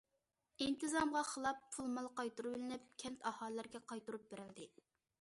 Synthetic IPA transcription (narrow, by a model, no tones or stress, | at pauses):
int̪ɨzɑmʁɑχəlˠɑpːʰulˠmɑlˠqɑjt̪uɾublɪnɪp̚kʲʰɛnt̪ɑhɑlːæɾɡʲɛqʰɑjt̪uɾup̚beɾɪld̪ɪ